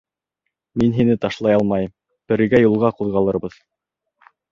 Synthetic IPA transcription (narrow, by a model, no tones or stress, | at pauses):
minɦinɘt̪ɑʃlˠɑjɑlˠmɑjɤm | b̥ɘ̆ɾɘ̆ɡæjulˠʁɑquðʁɑlˠɤ̆ɾbɤð